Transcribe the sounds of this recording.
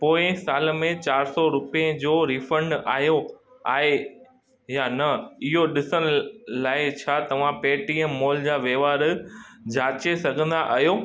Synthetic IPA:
poːɪsaːlmẽt͡ɕaːɾsɔɾʊpijẽd͡ʑoːɾifə̃ɳɖa̰ːɦjo | aːɦe | janɐɪɦoɗɪsənlaːɪt͡ɕʰaːt̪ɐʋ̤ãpeːʈiə̃moːld͡ʑaːʋeːʋaːɾd͡ʑaːt͡ɕesɐɡʱə̃nd̪aʔaːɦjoː

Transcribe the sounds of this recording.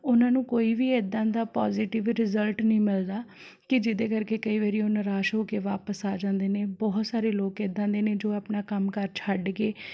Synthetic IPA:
ʊnãːnũːkoːiːʋiːeːd̪ãːd̪aːpɔːziːʈɪʋɾɪzəlʈnĩːmɪld̪aː | kɪd͡ʒɪd̪eːkəɾkeːkəiːʋeːɾiːʊnãɾaːʃoːkeːʋaːpəsaːd͡ʒãːnd̪eːneːbɔːt̪saːɾeːloːkeːd̪ãːnd̪eːneːd͡ʒoːaːpnaːkəmkəɾt͡ʃʰəɖɡeː

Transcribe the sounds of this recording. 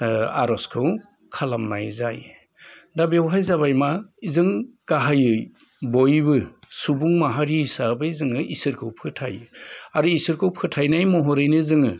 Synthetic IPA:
a̰ɾɔskʰɯw | kʰalamnajzaj | dabewɦajzaβajmaizɯŋkaɦajɯj | bɔjbɯsubuŋmaɦaɾiisabɯjzɯŋɯʔisɯɾkʰɯwpʰɯtʰajaɾuisɯɾkʰɯwpʰɯtʰajnajmɔɦɔɾɯjnɯzɯŋɯ

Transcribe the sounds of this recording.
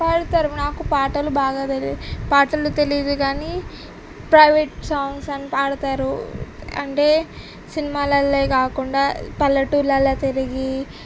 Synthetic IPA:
paːɽut̪aːɾunaːkupaːʈɐlubaːɡaːt̪elpaːʈɐlut̪elijɐd̪uɡaːni | pɾɐjʋeːʈsaːŋɡsɐnipaːɽɐt̪aːɾuɐ̰ɳʈe̞ː | sinimaːlɐlːeːkaːkuɳɖaːpɐlːɐʈulɐlːɐt̪eɾiɡi

